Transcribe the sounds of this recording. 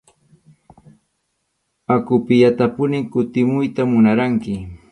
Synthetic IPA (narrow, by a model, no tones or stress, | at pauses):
akʊpɪjat̪apʊnɪŋkʊt̪ɪmʊjt̪amʊnaɾaŋkɪ